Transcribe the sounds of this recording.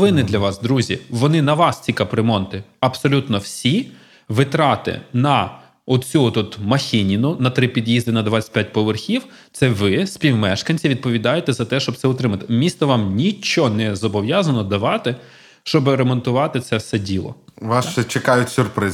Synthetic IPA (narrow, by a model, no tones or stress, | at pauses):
ʋɪnɪd̪lʲɐʋɑsd̪ɾuzʲiʋɔnɪnɐʋɑst͡sʲikapɾemɔnt̪ɪɐpsɔlʲut̪nɔwsʲi | ʋɪt̪ɾɑt̪ɪ̰nɐ | ɔt̪t͡sʲuɔt̪ut̪mɐxʲɪnʲinʊnɐt̪ɾɪpʲid̪jizd̪ɪnɐd̪ʋasʲɪ̥t̚ʲpʲjat̚ʲpɔʋerxʲiw | t̪sɛʋɪspʲiwmɛʃkɐnʲt͡sʲiʋʲid̪̚pɔʋʲid̪ɑjet̪ɛzɐt̪ɛʃt͡ʃɔb̚t̪sɛʊt̪ɾɪmɐt̪ɪmʲist̪ɔʋɑmnʲit͡ʃɔnɛzɔbɔʋjazɐnɔd̪ɐʋɑt̪ɪ | ʃt͡ʃɔbɪɾemɔnt̪ʊʋɑt̪ɪt̪sɛfsɛdʲilˠɔ̰ʋɑst͡ʃɛt͡ʃekɑjʊtʲsʲʊrpɾɪ